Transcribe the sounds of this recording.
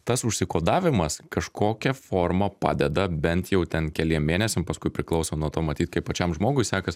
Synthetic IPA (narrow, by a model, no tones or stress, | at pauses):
t̪ɐsʊʃʲsʲɪkoːd̪ɑːʋʲɪmɐskɐʃkʰoːkʲɛfoːrmɐpɑ̰ːd̪ʲɛd̪ɐbʲɛnt̪jɛʊt̪ʲɛnkʲɛlʲiɛmmʲeːnʲɛsʲɛmpɐskʊɪpʲɾʲɪklˠɒʊsonuɔt̪oːmɐt̪ʲiːt̪kɐɪpɐt͡ʃʲɛmʒmoːɡʊɪsʲæːkɐs